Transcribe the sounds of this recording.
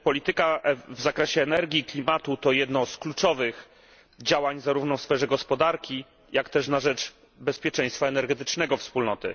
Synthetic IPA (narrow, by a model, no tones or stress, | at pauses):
pɔlʲit̪ɘkaʔvzakɾɛɕɛːnɛɾɡʲiklʲimat̪ut̪ɔjɛd̪nɔsklut͡ʂɔvɘx | d͡ʑawaɲzaɾuvnɔfsfɛʐɛɡɔspɔd̪aɾkʲi | jʔakt̪ɛʂnaʐɛt͡ʂ | bɛspʲjɛt͡ʂɛ̃j̃st̪faɛnɛɾɡɛt̪ɘ̥t͡ʂnɛɡɔfspulnɔt̪ɘ̰